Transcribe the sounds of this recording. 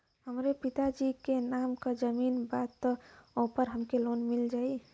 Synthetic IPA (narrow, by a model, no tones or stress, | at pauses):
ɦəmɾepit̪ad͡ʒikenamkəd͡ʒəminbad̪t̪ːopəɾɦəmkelonmild͡ʒaːi